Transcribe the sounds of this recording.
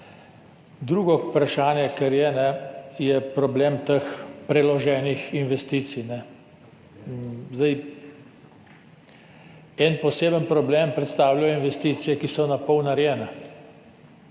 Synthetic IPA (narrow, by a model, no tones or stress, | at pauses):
d̪ɾuːɡɔpɾaʃaːnjɛkɛɾjɛnɛjɛpɾɔbleːmt̪əxpɾɛlɔʒɛːnixinʋɛst̪iːt̪sijnɛ | zd̪aj | ɛnpɔseːbənpɾɔbleːmpɾɛt̪st̪aːwljajɔinʋɛst̪iːt̪sijɛkisɔnapɔwnaɾjɛːnɛ